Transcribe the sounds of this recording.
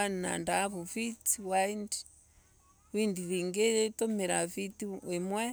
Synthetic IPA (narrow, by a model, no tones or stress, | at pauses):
anna̰ndaβufit͡siwaindi̥ | windiβiŋɡetomeɾafitiwemwɛ